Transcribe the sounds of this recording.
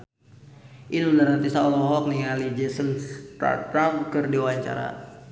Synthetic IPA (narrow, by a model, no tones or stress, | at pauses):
ʔiludaɾant̪isaɔlɔɦɔk̚nialid͡ʒɛsənta̰t̪ɾamkərdiwaɲt͡ʃa̰ɾa̰